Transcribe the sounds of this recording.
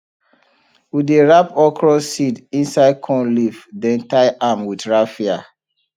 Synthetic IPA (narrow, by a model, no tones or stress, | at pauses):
wideɹapɔkʰɹɔsːidĩnsaɪd̚kʰɔ̃nlifdɛ̃ntaɪʔamwidɹafia